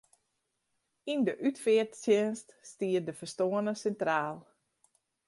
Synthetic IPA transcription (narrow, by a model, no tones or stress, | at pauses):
indəʔytfɪətsjɪnststiədəfərstoənəsɛntraːlˠ